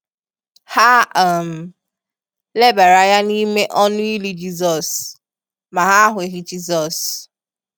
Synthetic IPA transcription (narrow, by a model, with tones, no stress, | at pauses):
ha˦a˨m̩˨ | le˦ba˨ɾa˨ja˦ni˦me˦ʔɔ˦nʊ˦i˦li˦d͡ʒi˦zɔ˨s | ma˨ɦa˦ɦʊ˨e˨ɦi˦d͡ʒi˦zɔ˨s